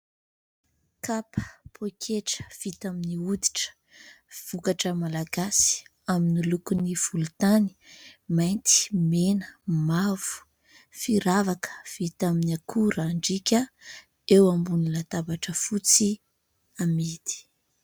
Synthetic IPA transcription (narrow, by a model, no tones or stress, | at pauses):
kapʰə̥pʰokʲʰeʈ͡ʂə̥v̥it̪aminiud̪i̥ʈ͡ʂə̥ | v̥ukaʈ͡ʂəmalaɡasi̥ | aminilukuniv̥ulut̪ani̥majnt̪i̥menəmavu̥ | fiɾavakə̥v̥it̪aminiakʰuɾaɳɖ͡ʐikʲə | ewambunilat̪abaʈ͡ʂəfut͡si | amid̪i̥